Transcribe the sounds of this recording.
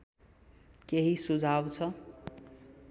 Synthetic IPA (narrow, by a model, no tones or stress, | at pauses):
keɦisud͡zʱawt͡sʰʌ